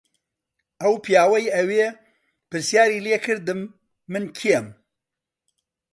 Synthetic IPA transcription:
ʔɐwpijaːwɐjɐweː | pɨɾsjaːɾiːleːkʰɨɾd̪ɨmː | ɨnkʰijɛm

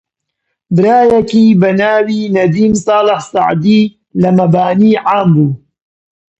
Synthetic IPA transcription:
bɨɾaːjɐkiːbɐnaːwiːnɐd̪iːmsˤɑːlɨhsɑ̰ʕd̪iː | lɐmɐbaːniːʕaːmbuː

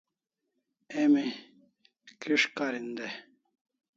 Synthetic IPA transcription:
emi | kiʂkaɾind̪e

